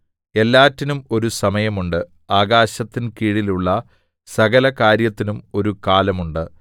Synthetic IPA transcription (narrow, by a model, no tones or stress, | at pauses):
e̞lːaːtːinumo̞ɾusɐmɐjɐmuɳɖɨ | aːɡaːɕɐt̪ːinkiːɽiluɭːɐ | sɐɡɐlɐkaːɾjɐt̪ːinumo̞ɾukaːlɐmuɳɖɨ